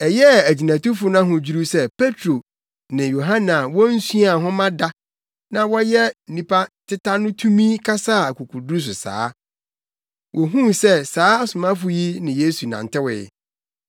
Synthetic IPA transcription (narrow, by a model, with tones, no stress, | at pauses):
ɛ˨jɛ˦˨æ˨d͡ʑi˨nã˨tʊ˦fʊ˦nã˦ɦʊ̃˨d͡ʑi˦ɾu˦sɛ˦pʰe˦tʰɾo˨ | nɪ̃˨jo˨ɦã˦nã˨wɔ˦n̩˦su˦a˨ɦʊ̃˦mã˦da˦ | nã˦wɔ˦jɛ˦n̩˦nĩ˦pʰa˦tʰɪ˦tʰa˦nʊ̃˦tʰũ˦mĩ˦kʰa˦sa˦˨a˨ku˨kʰu˨du˦u˦s̬ʊ˨sa̰ː˦ | wʔɔ˨ɦũ˦msɛ˦saː˨˦a˦sʊ˨mã˦fʊ˨ji˦nɪ̃˨je˦su˨nã̰˨ntɪ˦wɪ̰˨ɪ̰˨